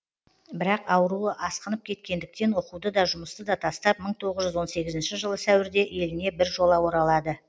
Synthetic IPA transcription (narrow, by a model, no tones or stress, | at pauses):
bɪɾɑqɑwəɾuəʔɑsqənəp̚kʲʰe̞t̪̚kʲe̞nd̪ɪk̚t̪e̞nwo̞qud̪əd̪ɑʒʊməst̪əd̪ɑt̪ʰɑst̪ɑp̚məɴt̪ʰo̞ʁəzʒʏzwo̞nse̞ɡʲɪzɪnʃɪʒəlˠəsæwɪɾd̪e̞ʔe̞lɪne̞bɪɾʒo̞lˠɑwoɾɑlˠɑd̪ə